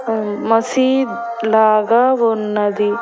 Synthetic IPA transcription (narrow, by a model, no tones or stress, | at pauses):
mɐsiːd̪ | laːɡaʋonːɐd̪i